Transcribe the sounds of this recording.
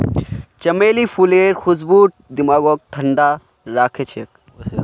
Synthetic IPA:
t͡ʃɐmeːlipʰuleːɾxus̬buːʈ̚d̪imaːɡoːk̚ʈʰɐɳɖa | ɾaːkʰet͡ʃʰek̚

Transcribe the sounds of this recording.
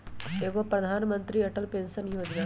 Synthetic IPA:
eːkopɾɐd̪ʱaːnmə̃nt̪ɾiɐʈəlpẽːnsənjoːd͡ʒɡa

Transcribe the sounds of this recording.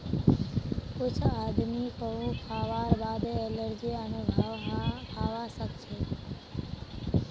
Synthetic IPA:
kʊt͡ʃʰad̪mikəɦukʰaʋaɾbad̪eːləɾd͡ʒiənubʱʋɦaʋasəkt͡ʃʰe

